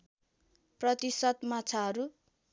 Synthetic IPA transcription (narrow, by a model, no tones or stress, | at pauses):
prʌt̪isʌt̪mat͡sʰaɦʌɾu